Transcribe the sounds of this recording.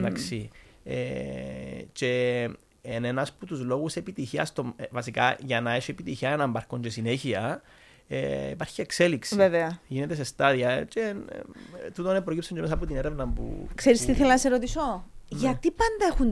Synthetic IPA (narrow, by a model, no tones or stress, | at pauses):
d̪aksiḛ | t͡ʃe | enenɐsput̪uzlo̞ɣusepit̪içiɐst̪omvɐsikɐ̰ʝɐnɐeʃiepit̪içiɐenɐmbɐɾkoɲd͡ʒesine̞çiɐ | ḛḭpɐɾçiekseliksiveveɐʝine̞t̪esest̪ɐðiɐt͡ʃe | t̪ut̪onepɾocipsoɲɟemesɐpot̪ineɾevnɐmpṵkseɾist̪iθelɐnɐseɾot̪isoʝɐt̪ipɐnd̪ɐexun